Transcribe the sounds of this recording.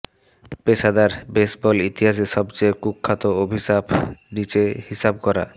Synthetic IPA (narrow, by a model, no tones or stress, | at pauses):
pesad̪aɾbesbɔlit̪iɦaʃ̬eʃɔbt͡ɕeekukʰːat̪oobʱisabnit͡ɕehisab̚kɔɾa̰